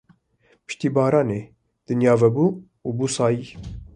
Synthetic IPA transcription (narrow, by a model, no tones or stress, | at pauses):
pɨ̥ʃt̪iːbɑːɾɑːneː | d̪̥ɨnjɑːvɛbuː | uːbuːsɑːjiː